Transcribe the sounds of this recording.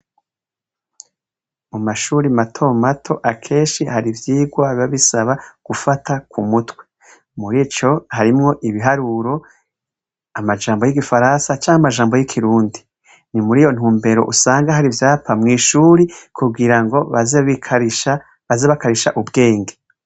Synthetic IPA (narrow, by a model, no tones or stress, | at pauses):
umaʃuːɾimatʰo̞matʰo̞ʔakʰe̞ːnʃihaɾivjiːɡwaβaβisaβaɡ̥ufatʰakumutwe | muɾit͡ʃo̞haɾimŋo̞ʔiβiɦaɾuːɾo̞ | amad͡ʒaːmbo̞jiɡifaɾansat͡ʃaːŋhamaʒaːmbo̞jikʰiɾuːndi | nimuɾiːjo̞n̥huːmbe̞ɾo̞̰ʔusaːŋɡahaɾivjaːpamŋiːʃuːɾikʰubɡiɾaŋɡo̞aziʃa | βazeβakaɾiʃaʔubɡe̞ːŋɡe